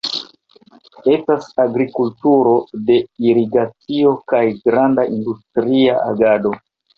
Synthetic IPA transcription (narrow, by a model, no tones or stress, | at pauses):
e̞stasaɡɾikultuɾo̞de̞iɾiɡat͡sio̞kajɡɾandaʔindustɾiaa̰ɡado̞